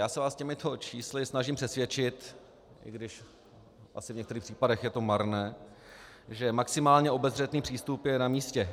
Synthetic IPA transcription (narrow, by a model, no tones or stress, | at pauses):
jaːsɛvaːscɛmɪt̪ʰo̞t͡ʃiːslɪsnaʒɪmpr̥ɛsvjɛt͡ʃɪt̪ | ʔɪ̰ɡdɪʃ | ʔa̰sɪvɲɛkt̪ɛɾiːxpr̥iːpadɛxjɛt̪o̞maɾnɛː | ʒɛmaksɪmaːlɲɛo̞bɛzr̝ɛt̪niːpr̝̥iːst̪upjɛnamiːscɛ